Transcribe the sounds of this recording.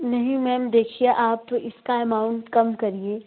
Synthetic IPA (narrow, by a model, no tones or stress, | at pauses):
nɐɦĩmɛ̃ːmd̪eːkʰijeʔaːpɪskaɛmaːʊ̃ɳʈkɐmkɐɾieː